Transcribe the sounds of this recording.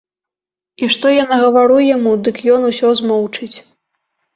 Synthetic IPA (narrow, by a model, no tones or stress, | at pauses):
iʂt̪ɔjanɐɣɐvaɾujamud̪ɨkjɔnusʲɔzmɔwt͡ʂɨt͡sʲ